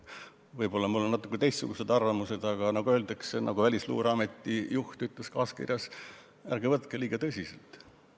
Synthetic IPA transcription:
vɤjbo̞lːɑmulːonɑt̪ːˑukːˑet̪e̞jst̪suɡ̥use̞d̪ɑrvɑmuse̞d̪̥ɑɡ̥ɑnɑɡ̥uøeld̪eksenʔɑ̰ɡ̥uvælʲislṵːɾɑme̞t̪ˑːijuht̪yt̪ˑleskɑːskḭrjɑs | ærɡevɤt̪keliːɡ̥ɑt̪ɤsʲisḛlt̪ˑ

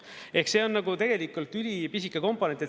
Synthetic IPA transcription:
e̞hkse̞ːo̞nːɑɡut̪e̞ɡ̥e̞likːˑult̪ˑylʲipis̬ikːˑɑko̞mpo̞ne̞ne

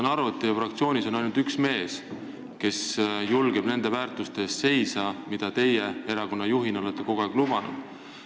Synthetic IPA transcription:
nɑɾvut̪ːˑijɑfrɑkt̪sio̞ːnʲiso̞nɑjnult̪yksme̞ːs | ke̞sjulɡe̞b̥ne̞nd̪̥e̞væːrt̪ˑust̪e̞st̪se̞jsɑmid̪̥ɑt̪e̞jee̞ɾɑko̞nːɑjuɦino̞let̪ːˑe̞ko̞ɡ̥oæɡ̥lub̥ɑnṵd̪̥

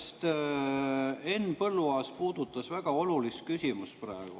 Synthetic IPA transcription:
st̪ | e̞nːpɤlːuɑːspuːd̪̥ut̪ːˑɑsvæɡ̥ɑo̞lulist̪̚kysʲimust̪̚præeɡ̥ṵ

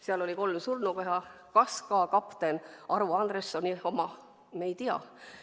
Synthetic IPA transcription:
seɑlo̞liko̞lmsurnukoɦɑ | kɑskɑːkɑpt̪enʔɑɾuɑnd̪ɾesːo̞nʲio̞mɑ | mejt̪iɑ̰

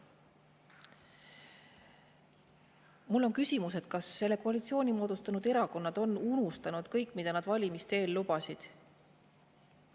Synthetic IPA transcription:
mulːo̞nkysʲimuse̞t̪̚kɑsːe̞lːe̞ko̞ɑlʲit̪sio̞ːnʲimo̞ːd̪ust̪ɑnud̪e̞ɾɑko̞nːɑd̪̥o̞nunust̪ɑnud̪̥kɤjkːˑmid̪̥ɑnɑd̪̥vɑlʲimist̪e̞ːlːubɑsid̪̥

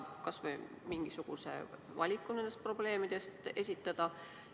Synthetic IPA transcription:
kɑsvej | miŋɡ̥isuɡ̥use̞̰ | vɑlʲikːˑunend̪est̪̚pro̞ble̞ːmid̪̥e̞st̪e̞sʲit̪ːˑɑd̪̥ɑ

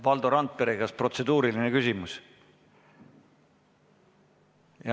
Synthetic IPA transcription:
vɑld̪o̞ɾɑnt̪̚peɾeɡɑspro̞t̪se̞d̪uːɾiline̞kysʲimus | jɑ

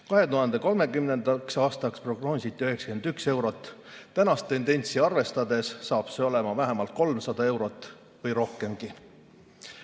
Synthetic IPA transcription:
kɑɦe̞t̪uɦɑnd̪e̞ko̞lme̞kymne̞nd̪̥ɑksɑːst̪ɑkspro̞ɡ̥no̞ːsʲit̪ːˑiyɦe̞ksɑ̥kend̪ykse̞wɾo̞t̪ːˑt̪ænɑst̪ːe̞nd̪e̞nʲt̪siɑrve̞st̪ɑd̪̥e̞sːɑːb̥se̞o̞le̞mɑvæɦemɑlt̪̚ko̞lmsɑd̪ɑe̞wɾo̞t̪ːˑ | vɤjɾo̞hke̞mɡ̥i

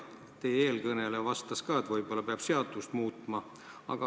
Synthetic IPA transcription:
t̪eeːlkɤnelevɑst̪ɑskɑːe̞t̪vɤjb̥o̞lːɑpeɑb̥se̞ɑd̪̥ust̪muːt̪ˑmɑ | ɑ̰ɡ̥ɑ

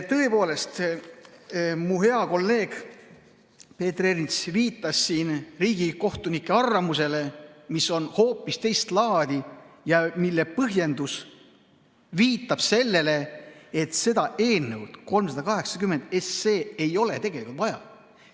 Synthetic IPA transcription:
t̪ɤe̞po̞ːle̞st̪ | muɦe̞ɑko̞lːe̞ːɡ̥ | pe̞ːt̪ːrernit̪sviːt̪ːˑɑsːiːnriːɡ̥iko̞ht̪unikːˑe̞ɑrːɑmuse̞le̞miso̞nho̞ːpːˑist̪e̞jst̪lɑːd̪̥ijɑmilːepɤɦje̞nd̪us | viːt̪ːˑɑb̥se̞lːe̞le̞et̪se̞d̪ɑe̞ːlnːewd̪̥ko̞lmsɑd̪ɑkɑɦe̞ksɑ̥kymːe̞nd̪̥esːe̞ːejo̞le̞t̪e̞ɡ̥e̞likult̪vɑjɑ̰

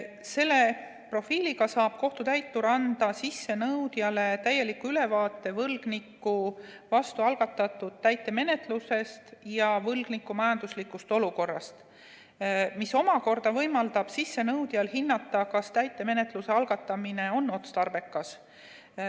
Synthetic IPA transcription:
se̞lːe̞ | pro̞fiːliɡɑsɑːb̥̚ko̞ht̪ut̪æjt̪ːuɾɑnd̪̥ɑsisːe̞nɤwd̪̥jɑle̞t̪æjːe̞likːuyle̞vɑːt̪ːˑe̞vɤlɡ̥nikːˑu | vɑst̪uɑlɡ̥ɑt̪ːˑɑt̪ːˑud̪̥̚t̪æjt̪ːˑe̞me̞ne̞t̪ˑluse̞st̪jɑvɤlɡ̥nikːˑumɑjɑnd̪̥uslikːˑust̪o̞luko̞rːɑst̪ | miso̞mɑko̞rd̪̥ɑvɤjmɑld̪̥ɑb̥sisːe̞nɤwd̪̥jɑlɦinːɑt̪ˑːɑkɑst̪æjt̪ːˑe̞me̞ne̞t̪ˑluse̞ɑlɡ̥ɑt̪ːˑɑmine̞o̞nːo̞t̪st̪ɑrb̥e̞kːˑɑs

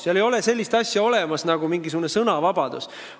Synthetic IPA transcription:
sjɑlejo̞le̞se̞lʲːist̪ɑsʲjɑo̞le̞mɑsnɑɡ̥umiŋɡisuɡune̞sɤnɑvɑb̥ɑd̪̥ṵs

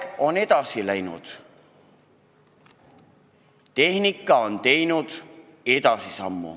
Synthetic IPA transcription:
o̞ne̞d̪̥ɑsilæjnṵd̪̥ | t̪e̞hnikːˑɑo̞nt̪e̞jnud̪̥ | e̞d̪̥ɑsisɑmːṵ

